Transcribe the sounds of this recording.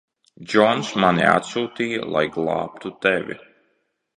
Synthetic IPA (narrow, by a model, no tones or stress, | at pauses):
d͡ʒɔnsmanḭa̰t̪suːt̪iːjə̰lˠa̰jɡlˠɑ̰ːp̚t̪ut̪ɛvʲḭ